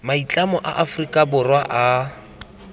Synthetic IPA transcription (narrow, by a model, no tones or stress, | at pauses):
mait͡ɬʼamɔʔa̰ʔafrikʼabʊrwaʔa